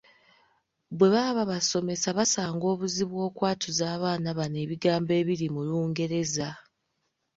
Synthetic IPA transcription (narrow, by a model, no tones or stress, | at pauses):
βwe̞βaːβaβaso̞me̞saβasaːŋɡo̞ːβuziβwo̞ːkwaːtʰuzaːβaːnaβane̞ːβiɡaːmbe̞ːβiɾimuluːŋɡe̞ɾe̞za